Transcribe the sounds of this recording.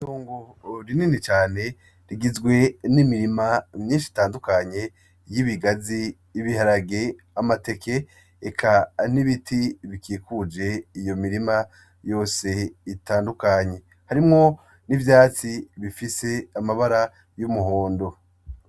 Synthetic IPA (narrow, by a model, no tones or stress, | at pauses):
toːŋɡoɾininit͡ʃaːne | ɾiɡizɡwe̞nimiɾimamɲiːnʃi̥taːndukaɲe̞ | jiβiɡaziː | βihaɾaɡe | amate̞kʰe̞ː | kʰaniβitʰiβikʰiːkud͡ʒe̞ijo̞miɾima | jo̞ːse̞itaːndukaɲe̞ | haɾimŋo̞ | nivjaːt͡siβifise̞amaβaɾa | jumuɦo̞ːndo̞